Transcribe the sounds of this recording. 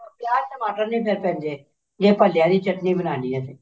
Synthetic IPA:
pjaːɾʈəmaːʈəɾnĩːpʰeɾpɛ̃ːnd͡ʒ̪eː | d͡ʒeːpəljaːd̪iːt͡ʃəʈniːbənaːndiɛːseː

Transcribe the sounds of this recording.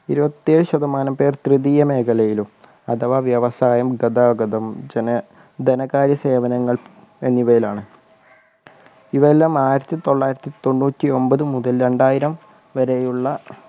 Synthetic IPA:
iɾubɐt̪ːie̞ːɻɨɕɐd̪ɐmaːnɐmpe̞ːrt̪rɨðiːjɐme̞ːkɐlɐjilum | ɐd̪ɐʋaːʋjɐʋɐsaːjɐmɡɐd̪aːɡɐd̪ɐmd͡ʑenɐ | d̪enɐkaːɾjɐse̞ːʋɐnɐŋːɐɭ | enːiʋɐjilaːɳɨ | iʋɐelːaːmaːjiɾɐt̪ːit̪o̞ɭːaːjiɾɐt̪ːit̪o̞ɳːuːtʲːio̞mbɐðɨmuðɐlɾe̞ɳɖaːjiɾɐm | ʋɐɾe̞juɭːɐ

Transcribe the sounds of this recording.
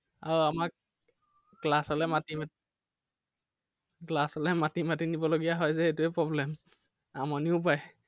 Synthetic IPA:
aɹuamak | klasɔlɛmatima | klasɔlɛmatimatinibɔloɡijaɦɔjzɛetuɛpɹɔblɛm | amɔniʊp̬aj

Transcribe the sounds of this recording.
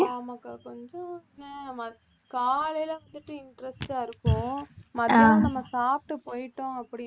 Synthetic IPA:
aːmaːkːakɔɲd͡ʒɔ̃ɪnːɐmɐ | kaːlɐjlɐʋɐnd̪ɯʈːɯɪɳʈɾɛsʈaːɪɾɯkːʊ̃mɐðɐnɐmːɐsaːp̚ʈɯpoːjɪʈːõɐpːɐɽɪ

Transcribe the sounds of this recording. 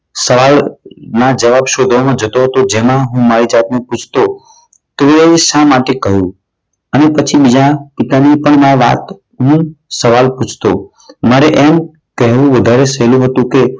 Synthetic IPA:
səʋalnad͡ʒəʋabʃod̪ʱomãd͡ʒət̪oɦət̪od͡ʒemãɦũmaɾid͡ʒat̪neput͡ʃʰt̪o | t̪oeʃãmaʈekəɦjũ | ənepət͡ʃʰiɓɪd͡ʒãpɪt̪anipəɳmãʋa̰t̪ | ɦũsəʋalput͡ʃʰt̪o | maɾeʔem | kəɦʋũʋəd̪ʱaɾesəɦlũɦət̪ũke

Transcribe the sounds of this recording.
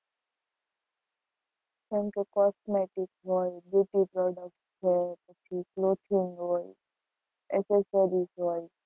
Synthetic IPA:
kɛ̃mkekɔsmeʈɪkɦɔjɖeʈipɾɔɖək̚ʈt͡ʃʰepət͡ʃʰikloʈʰiŋɦoj | ḛsesəɾizɦoj

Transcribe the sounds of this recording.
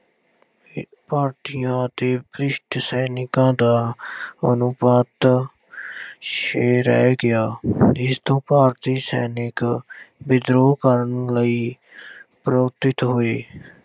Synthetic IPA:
paːɾt̪ijãːət̪eːpɾɪʃʈsɛːnɪkãːd̪aːənʊpaːt̪ | ʃeːɾɛ̰ɡɪaːɪst̪õːpaːɾt̪iːsɛ̰ːnɪkbɪd̪ɾoːkəɾənləiː | pɾoːt̪ɪt̪ɦoːeː

